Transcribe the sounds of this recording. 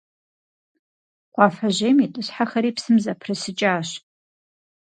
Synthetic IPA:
qʷɑːfɐʑeːmitʼɨɕħaxɐɾiːpsɨmzɐpʰrɨsɨt͡ʃʼaːɕ

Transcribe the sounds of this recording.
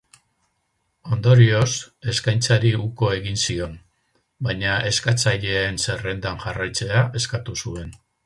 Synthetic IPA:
o̞nd̪o̞ɾio̞se̞skajnt͡saɾiuko̞e̞ɣinsio̞n | bajɲaʔe̞skat͡saʎe̞ːnse̞re̞nd̪anʝarajt͡se̞aʔe̞skat̪usue̞n

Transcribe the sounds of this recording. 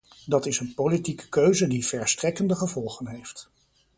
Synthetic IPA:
dɑtɪsənpowlitikə̥køɥzədivɛɹstrɛkəndəχəvɔlˠχənɦejft

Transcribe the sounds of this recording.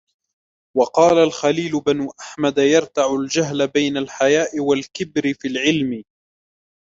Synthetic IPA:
wɑqɑːlalxaliːlʊbanʊʔaħmad̪ajɑɾˤt̪aʕʊld͡ʒaɦlabajnalħajaːʔɪwalkɪbɾɪfiːlʕɪlmɪ

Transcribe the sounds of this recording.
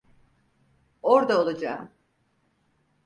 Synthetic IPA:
oɾd̪aolˠad͡ʒaːm

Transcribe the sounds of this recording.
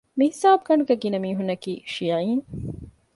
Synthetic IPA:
mihisaːb̚ɡɐɳuɡeɡinɐmiːɦunːɐkiːʃiːʕiːn

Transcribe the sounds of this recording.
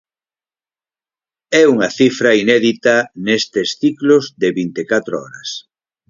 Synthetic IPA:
ɛuŋɐθifɾɐinɛðit̪ɐnest̪esθiklʊzðeβint̪ekat̪ɾoɔ̰ɾɐ̰s

